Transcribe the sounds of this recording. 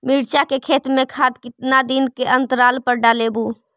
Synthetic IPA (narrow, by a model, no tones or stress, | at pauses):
mɪːɽt͡ʃakekʰeːt̪ɾmẽkʰaːd̪kɪt̪nad̪ɪnkeʔə̃nt̪əɾaːlpəɾɖaːleːbuː